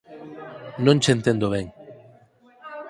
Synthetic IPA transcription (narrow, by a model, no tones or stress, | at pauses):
nõnʲt͡ʃent̪end̪oβ̞eŋ